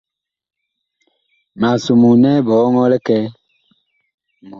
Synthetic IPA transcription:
ma˨su˨mu˨nɛ˦bɔː˨˦ŋɔ˦lɛ˦kɛ˦ | m˨

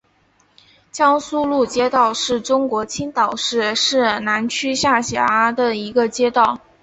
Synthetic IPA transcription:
t͡ɕjɑ˥ŋsu˥lu˥˩t͡ɕjɛ˥t̪ɑ˥˧ʊʂɻ̩˥˩ʈ͡ʂʊ˥ŋkwɔ˧˥t͡ɕʰi˥nt̪ɑ˨˩ʊʂɻ̩˥˩ʂɻ̩˥˩na˧˥nt͡ɕʰy˥ɕja˥˩ɕjɛ̰˨˧˩a˥d̪ə˨i˧˥ɡə˧t͡ɕjɛ˥t̪ɑ˥˩ʊ

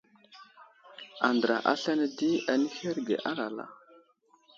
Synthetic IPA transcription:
a˨ndɾa̰˨ʔa̰˦ɬa˦ne˦di˦a˨ni˦he˦ɾɡḛ˨ʔa˦la˨la̰˨

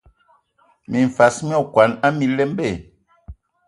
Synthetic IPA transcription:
mi˨ɱ˨fa˨˦smi˦ɔ˦˨kwa˨˦na˦mi˨lɛ˦m˦be˦˨

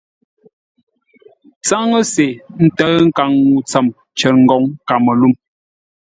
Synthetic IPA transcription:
t͡sa˦ŋə˦se˨n̩˦tə˦ŋ̩˦ka˨ŋːu˨t͡sa˨m | t͡ʃɛ˨ɾ̚ŋ̩˨ɡɔ˨ŋka˨mə˨lu˦˨m

